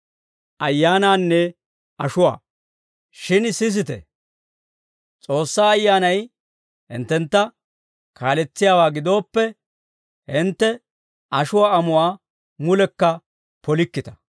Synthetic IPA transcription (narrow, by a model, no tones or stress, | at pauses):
ʔɐjːaːnaːnːɛ | ɐʃʊwa̰ː | ʃɪnsɪs̬ɪt̪ɛ̰ | t͡sʼo̞ːsːaːɐjːaːnɐj | hɪ̰nt̪ːɛnt̪ːɐ | kʰaːlɛt͡sːɪjaːwaːɡɪd̪o̞ːpːɛ | hɪnt̪ːɛ | ʔɐʃʊwaːɐmʊwaː | mʊlɛkːɐ | pɔlɪkːɪt̪ɐ̥